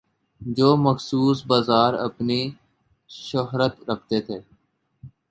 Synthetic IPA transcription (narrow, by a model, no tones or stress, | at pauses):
d͡ʒoːməxsuːsbaːzaːɾə̰pni | ʃoɦɾət̪ɾəkʰt̪eːt̪ʰeː